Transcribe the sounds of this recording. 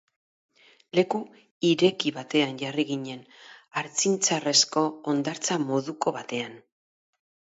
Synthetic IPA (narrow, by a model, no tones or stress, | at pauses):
le̞ku | iɾe̞kiβat̪e̞anʝariɣiɲe̞naɾt͡sint͡sare̞sko̞ːnd̪aɾt͡samo̞ðuko̞βat̪e̞an